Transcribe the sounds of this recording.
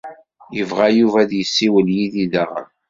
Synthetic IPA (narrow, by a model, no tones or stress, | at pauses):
jəvʁajuvæðjəsːiwəljiðiðaʁə̰